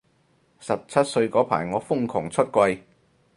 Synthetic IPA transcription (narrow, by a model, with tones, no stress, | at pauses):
sɐ˨˩p̚t͡sʰɐ˥t̚sɵ˧ɥkɔː˨˥pʰa̰ː˨˩jŋɔː˨˧fʊ˥ŋkʰʊ˨˩ŋt͡sʰɵ˥t̚kʷwɐ˧j